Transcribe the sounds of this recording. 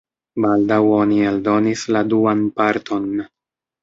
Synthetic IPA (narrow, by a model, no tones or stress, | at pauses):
baldawo̞nialdo̞nisladuanpaɾt̪ʰo̞n